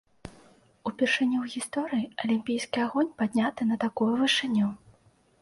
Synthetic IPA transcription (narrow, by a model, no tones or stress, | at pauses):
upʲɛrʂɨnʲːɛwɣʲist̪ɔɾɨjiɐlʲimʲpʲijskʲiaɣɔnʲpad̪ʲnʲat̪ɨnɐt̪akɔjɛvɨʂɨnʲːɛ